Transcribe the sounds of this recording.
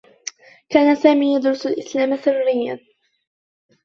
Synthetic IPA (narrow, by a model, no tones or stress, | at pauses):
kaːnasaːmiːjad̪ɾʊsalʔɪslaːmasɪrːɪjːan